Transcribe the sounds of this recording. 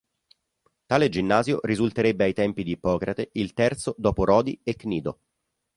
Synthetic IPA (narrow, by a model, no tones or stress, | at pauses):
t̪aːled͡ʒinːaːzjo̰rizult̪eɾebːeajt̪ɛmpid̪iːpɔːkɾʔat̪eilt̪ɛrt̪sod̪ɔːpoɾɔːd̪iekːniːd̪o